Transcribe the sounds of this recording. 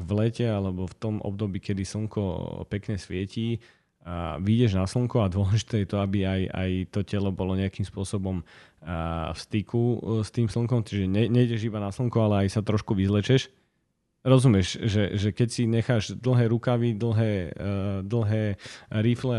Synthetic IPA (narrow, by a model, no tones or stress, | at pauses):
ʋlɛcɛalɛbɔft̪ɔmɔ̰b̚d̪ɔbiːkɛd̪isl̩ŋkɔ̰pɛkɲɛsʋɪɛci | ʋiɟɛʒnasl̩ŋkuad̪ʊɔlɛʒit̪ɛːjɛt̪ɔabiaja̰jt̪ɔcɛlɔbɔlɔɲɛakiːmspʊɔsɔbɔm | fst̪ikust̪iːmsl̩ŋkɔmt͡ʃiʒɛɲɛɲɛiɟɛʒibanasl̩ŋkualɛajsat̪ɾɔʃkuʋizlɛt͡ʃɛʃ | ɾɔzumɪɛʃʒɛʒɛkɛcsiɲɛxaːʒd̪l̩ˠɦɛːɾukaʋid̪l̩ˠɦɛːd̪l̩ˠɦɛːɾiflɛ